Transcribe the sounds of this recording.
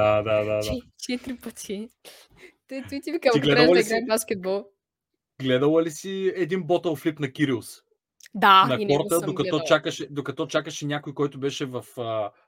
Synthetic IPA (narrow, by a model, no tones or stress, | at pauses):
ad̪ad̪ad̪aɛt͡ʃɛt̪ɾipət̪ʰi | t̪ɔuit̪ivikamiɡlɛdɾaɐliɡɾaɛbaskʲɛt̪̚bɔlˠ | ɡlɛd̪əlˠəlisiɛd̪inbɔt̪ɐlˠflipnɐkʲiɾilˠs | d̪anɐinɔɾt̪əd̪okɐtɛd̪ɔt͡ʃakəʃɛd̪okɐt̪ɔt͡ʃakəʃɛnʲakojkɔjt̪ʊbɛʃɛvɐfə